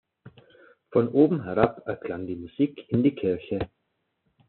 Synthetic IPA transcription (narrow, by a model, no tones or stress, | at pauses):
fɔnʔoːbm̩ɦɛʁapɛɐkʰl̥aŋdiːmuz̥iːkʰɪndiːkʰɪɐçə